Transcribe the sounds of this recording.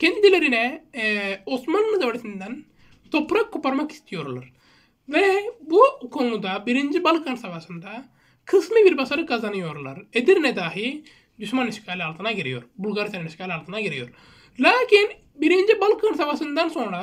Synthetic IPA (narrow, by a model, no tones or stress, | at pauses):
cʲend̪ilʲeɾinɛ | osmanmɯd̪aʋaɾisind̪æn | t̪ʰo̞pɾakʰːupaɾmaki̥st̪ʰijo̞ɾlˠa̰ɾ | vɛbukʰo̞nud̪abiɾind͡ʒibalˠkʰansavasɯnd̪a | kʰɯslˠɯbiɾbasaɾɯkazanɯjo̞ɾlˠa̰ɾed̪iɾnɛd̪aːɦi | d̪uʃmaniʃkʰaːlʲiaːlˠt̪ʰɯnaɡeɾḭjo̞̰ɾbulʲˠɡaɾsenaniʃkaːlʲialˠt̪ʰɯnaɡeɾijo̞̰ɾ | lʲaːkin | biɾind͡ʒibalˠkʰansaʋasɯnd̪anso̞nɾa